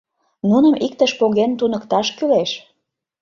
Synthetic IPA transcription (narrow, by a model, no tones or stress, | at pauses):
nunəmik̚t̪əʃpoɣent̪unəkt̪ɑʃkyleʃ